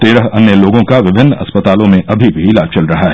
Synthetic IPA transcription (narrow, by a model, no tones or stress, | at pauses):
t̪eːɾəɦɐnjəloːɡõkaʋɪbʱɪnːɐ̰spət̪aːlõmẽʔɐbʱibʱiɪlaːd͡ʒt͡ʃɐlɾɐɦaɦɛː